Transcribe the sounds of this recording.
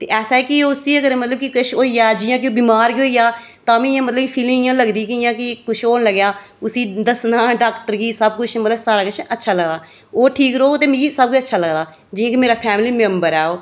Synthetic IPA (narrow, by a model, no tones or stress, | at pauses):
t̪eːʔɛːsaːeːkɪoːʊsiːəɡəɾmət̪ləb̚kɪkɪt͡ʃʰoːiːaːd͡ʒɪjãːkɪoːbiːmaːɾɡiɦoːiːjaː | t̪ãːmĩːjãːmət̪ləbipʰiːlɪ̃ŋɪjãːləɡd̪iːkɪɪjãːkɪkʊt͡ʃʰoːnləɡjaː | ʊsiːd̪əsnãːɖaːkʈəɾɡiːsəbkʊt͡ʃʰmət̪ləbsaːɾaːkʊt͡ʃʰətːʃʰaːləɡd̪aː | oːʈʰiːkɾoːkːt̪eːmĩːɡisəb̚kʊt͡ʃʰətːʃʰaːləɡd̪aː | d͡ʒɪːãːkimeːɾaːpʰɛːmliːmɛ̃mbəɾɛːoː